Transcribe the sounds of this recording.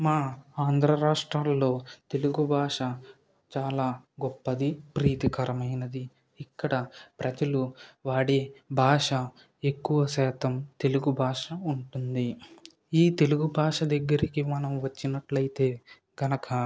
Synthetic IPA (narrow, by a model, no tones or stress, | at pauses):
maːaːnd̪ʱɾɐɾaːʂʈɾaːlːo̞ːt̪e̞luɡubʱaːʂɐ | t͡ʃaːlaːɡɔpːɐd̪ipɾiːt̪ikɐɾɐmɐjnɐd̪i | ikːɐɽɐpɾʔɐd͡ʒɐluʋaːɽeːbʱaːʂɐ | e̞kːuʋɐsɛːt̪ɐmt̪e̞luɡubʱaːʂɐuɳʈund̪i | iːt̪e̞luɡubʱaːʂɐd̪ɐɡːɐɾikimɐnɐmʋɐt͡ʃːinɐʈlɐjit̪e̞ː | ɡ̥ɐnɐkɐ